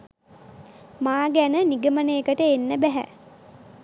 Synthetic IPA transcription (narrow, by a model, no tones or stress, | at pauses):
maːɡænəniɡəmənəjəkəʈəenːəbæɦæ̰